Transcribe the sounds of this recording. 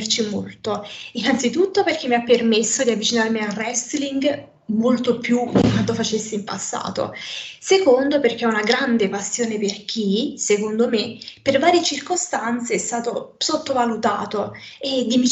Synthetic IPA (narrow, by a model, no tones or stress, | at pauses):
rt͡ʃimo̰lt̪oinant̪sit̪ut̪ːoperk̟emːiapːermesːod̪iavːit͡ʃinarmiarɛst̪liŋɡ | molt̪opjud̪ikwant̪ofat͡ʃesːiimpasːa̰ːt̪o̰sekond̪operk̟eɛunaɡɾand̪epasːjoːneperk̟ʰisekond̪omepervaːɾjet͡ʃirkost̪ant̪seɛst̪aːt̪osot̪ːovalut̪aːt̪o | ed̪ːimi